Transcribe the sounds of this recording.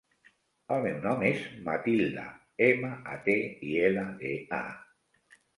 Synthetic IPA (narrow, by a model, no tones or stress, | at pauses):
almewnɔmezmat̪ild̪a̰ | emaʔa̰t̪eielaðea̰